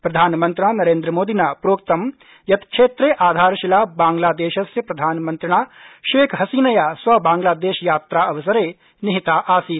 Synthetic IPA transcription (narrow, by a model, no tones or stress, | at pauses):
pɾɐd̪ʱaːnmɐ̃nt̪ɾɪɳaːnɐɾeːnd̪ɾəmoːd̪inaːpɾoːkt̪ɐm | jɐt̪kʃeːt̪ɾeʔaːd̪ʱaːɾʃɪlaːbãːŋɡlaːd̪eːʃɐsjəpɾɐd̪ʱaːnmɐ̃nt̪ɾɪɽ̃aːʃeːkʰɦɐsiːnɐjaːsʋɐbãːŋɡlaːd̪eːʃjaːt̪ɾaɐʋɐsɐɾeː | nɪɦɪt̪aːʔaːsiː